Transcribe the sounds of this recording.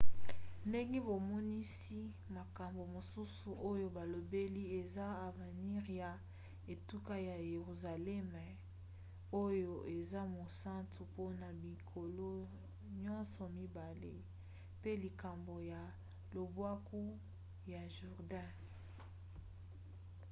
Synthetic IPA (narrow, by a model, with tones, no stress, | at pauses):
nde˦ŋɡe˦bo˨mɔ˦ni˦si˦ | ma˨ka˨mbo˨mo˨su˦su˨ʔo˦jo˦ba˨lo˨be˦li˦e˨za˦a˨ve˨ni˦ʁja˨ | e˨tu˦ka˦ja˨je˨ʁu˨za˨lɛ˦m˨ | o˦jo˦ʔe˨za˦mo˨sa˦ntʰu˨po˦na˨bi˨kʰo˨lo˦ | ɲɔ̃˦nsɔ˨mi˦ba˨lḛ˦ | pe˦li˨ka˨mbo˨ja˨ | lo˨bwa˦ku˦ | ja˨ʒu˨ʁda˦